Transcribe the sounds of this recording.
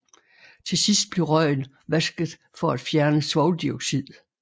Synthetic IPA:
t͡sʰe̝sisd̥̚b̥le̝ʁɶɪn | ʋæsɡ̥ð̩ˠ | fɒ̽æd̥fjæɐnəsʋɒʊld̥iɔɡ̥sið̰ˠ

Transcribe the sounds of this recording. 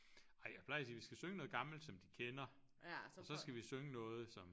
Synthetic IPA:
ʔɑ̈ɪ̰pʰlɑ̈ɪsiːʋisɡ̥æsøŋənɔ̽ːð̞̩ˠɡ̥ɑ̈ml̩d̥sɒ̽md̥ikʰenɐ | ɒ̽sɒ̽sɡ̥æʋisøŋənɔ̽ːð̞̩ˠsɒ̽m

